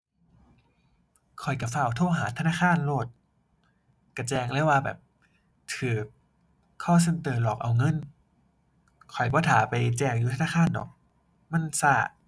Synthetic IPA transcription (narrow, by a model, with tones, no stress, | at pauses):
kʰɔ˨˩jka˧˩fa˧˩wt̪ʰoː˧˥˨ɦaː˨˩˦t̪ʰa˧naː˧˥˨kʰaː˧˥˨nloː˧˩t̪̚ | ka˧˩t͡ɕɛː˧ŋlɛ˧˥˨waː˧bɛ̰ː˨˩p̚ | t̪ʰɯː˨˩ | kʰɔː˧˥˩s̬e˧˩nt̪ɤː˧˩lɔː˨˩k̚ʔa˧˩wŋɤ˧˥˨n | kʰɔ˨˩jbɔː˧˦t̪ʰaː˨˦pa˨jt͡ɕɛː˧ŋjuː˧t̪ʰa˧naː˧˥˩aː˧˥˨ndɔ̰ː˨˩k̚ | ma˧˥˨nsaː˧˩